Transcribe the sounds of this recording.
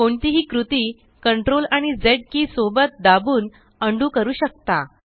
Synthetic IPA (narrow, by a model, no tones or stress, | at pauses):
koɳt̪iɦiːkɾut̪iː | kəɳʈɾolaɽ̃id͡zeɽ̚kiːsobət̪̚d̪abuːn | əɳɖuːkəɾuːɕək̚t̪a